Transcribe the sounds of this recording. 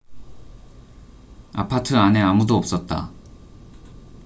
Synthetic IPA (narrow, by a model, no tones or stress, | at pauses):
a̰pʰatʰɯane̞amudoʌp̚s͈ʌt̚t͈a̰